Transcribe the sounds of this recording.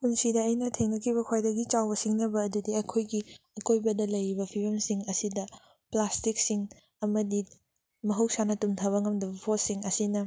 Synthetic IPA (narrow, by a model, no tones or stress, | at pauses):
unsidɐɐjnɐtʰeŋnɐkʰiβɐkʰajdɐɡit͡ʃawbɐsiŋnɐbɐːdudiɐkʰojɡiɐkʰojbɐdɐlɐjɾibɐpʰibɐmsiŋɐsidɐ | plastik̚siŋ | ɐmɐdi | mɐɦɐwsanɐtumtʰaβɐŋɐmdɐbɐpʰosiŋɐsinɐ